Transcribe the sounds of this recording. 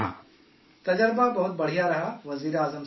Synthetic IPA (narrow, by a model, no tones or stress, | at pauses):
ã̰ | t̪ɐd͡ʒəɾbabɐɦʊt̪̚bɐɽ̤ijaɾɐɦaʋɐziːɾaːzəm